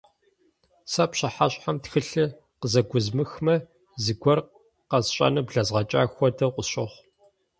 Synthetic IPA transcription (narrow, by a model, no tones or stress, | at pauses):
sɐpɕɪħaɕʼħamtxɨɬɨ | qəzɐɡʷʊzmɨxmɐ | zɨɡʷɔr | qɐzɕʼɐ̰nɨbɮɐzʁɐt͡ʃʼa̰ːxʷɔdɐqʷʊɕʼɪχʷ